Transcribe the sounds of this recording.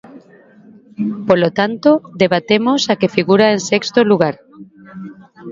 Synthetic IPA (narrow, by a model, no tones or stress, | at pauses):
polot̪ant̪od̪eβat̪emosakefiɣuɾaeŋsekst̪oluɣ̞aɾ